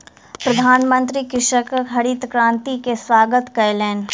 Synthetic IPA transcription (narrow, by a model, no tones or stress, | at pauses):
pɾɐd̪ʱaːnmə̃nt̪ɾikɪʃəkkʰɐɽiːt̪kɾãːnt̪ikeswaːɡət̪kɐlɛːn